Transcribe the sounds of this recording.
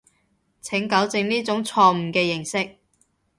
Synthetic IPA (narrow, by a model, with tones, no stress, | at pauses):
t͡sʰɪ˨˥ŋkɐ˨˥wt͡sɪ˧ŋniː˥t͡sʊ˨˥ŋt͡sʰɔː˧m̩˨˩kɛː˧jɪ˨˩ŋsɪ˥k̚